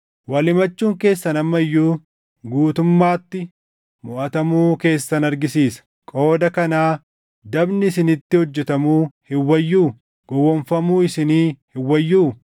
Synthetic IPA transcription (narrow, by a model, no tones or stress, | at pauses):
wɐlɪmɐt͡ʃːuːŋke̞ːsːɐnɐmːɐjːuː | ɡuːt̪ʊmːaːt̪ːɪ | mʊʔɐt̪ɐmuːke̞ːsːɐnɐɾɡɪsiːsɐ̥ | kʼo̞ːd̪ɐkɐnaː | d̪ɐbnɪɪsɪnɪt̪ːɪhɔd͡ʒːɛt̪ɐmuːhɪwːɐjːuː | ɡ̥ɔwːɔnfɐmuːɪsɪniːhɪwːɐjːuː